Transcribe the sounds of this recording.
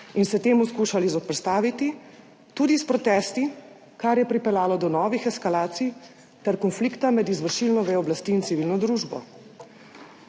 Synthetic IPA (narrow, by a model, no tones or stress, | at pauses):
insɛt̪eːmuskuʃalizɔpɾst̪aːʋit̪i | t̪uːd̪ispɾɔt̪ɛːst̪i | kaɾjɛpɾipɛljaːlɔd̪ɔnɔːʋixɛskalaːt̪sij | t̪ɛɾkɔnflikt̪amɛd̪izʋəɾʃilnɔʋɛɔblast̪iːnt̪siʋilnɔd̪ɾuːʒbɔ̰